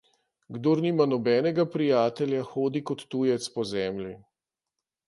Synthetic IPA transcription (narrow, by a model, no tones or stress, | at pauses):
ɡd̪oːɾniːmanɔbɛːnɛɡapɾijaːt̪ɛljaxoːd̪ikɔt̪ːujɛt̪spɔzɛːmlʲi